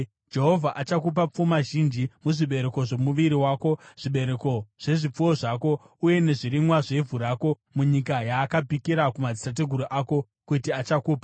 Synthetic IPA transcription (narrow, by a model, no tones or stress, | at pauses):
d͡ʒe̞ɦo̞vʱaʔat͡ʃakup̬ap͡fumaʒind͡ʒimuʐiɓe̞ɾe̞ko̞ʐe̞muʋiɾiwaːko̞ʐ̥iɓe̞ɾe̞ko̞ʐ̥e̞ʐip͡fuwo̞ʐako̞ | uje̞ne̞ʐiɾimwaʐe̞vʱuɾaːko̞ | muɲikajaːkapikiɾakumad͡zisat̬e̞ɡʱuɾuʔako̞ | kutiat͡ʃakuːpa